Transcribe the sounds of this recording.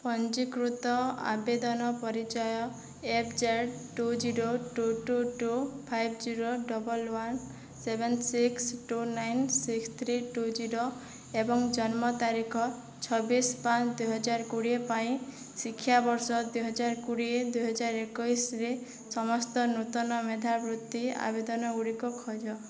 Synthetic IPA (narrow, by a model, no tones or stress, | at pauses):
pɔnd͡ʒikɾut̪ɔa̰bed̪ɔnɔpɔɾit͡ʃɔjɔ | epd͡ʒeɽʈud͡ʒiɾoʈuʈuʈupʰajb̚d͡ʒiɾoɖɔbɔlwan | sebʱensiksʈunajnsikst̪ʰɾiʈud͡ʒiɾo | ebɔŋd͡ʒɔnmɔt̪aɾikʰɔ | t͡ʃʰɔbispat͡ʃʰd̪ujɦɔd͡ʒaɾkuɽiepaĩ | sikʰːjabɔɾsɔd̪ujɦɔd͡ʒaɾkuɽied̪ujɦɔd͡ʒaɾekɔjsɾe | sɔmɔst̪ɔnut̪ɔnɔmed̪ʱabɾut̪ːia̰bed̪ɔnɔɡuɽikɔkʰɔd͡ʒɔ